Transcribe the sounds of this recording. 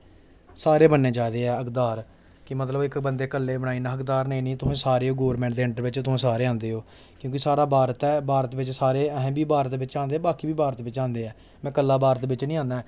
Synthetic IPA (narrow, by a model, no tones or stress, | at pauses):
saːɾeːbənːeːd͡ʒaːd̪eːɛːəkd̪aːɾ | kɪmət̪ləbɪkbənd̪eːkəlːeːbəɽ̃aːiːnãːɦəkd̪aːɾnəĩːnĩːt̪ʊsẽːsaːɾeːɦoːɡoːɾmɛ̃ɳʈd̪eːɪ̃ɳʈəɾʋɪt͡ʃt̪ʊsẽːsaːɾeːãːnd̪eːɦoː | kjõːkɪsaːɾaːbaːɾət̪ɛːbaːɾət̪ʋɪt͡ʃsaːɾeːəɦɛ̃ːbiːbaːɾət̪ʋɪt͡ʃãːnd̪eːbaːkiːbiːbaːɾət̪ʋɪt͡ʃãːnd̪eːɛː | mɛ̃ːkəlːaːbaːɾət̪bɪt͡ʃnĩːãːnd̪ɛː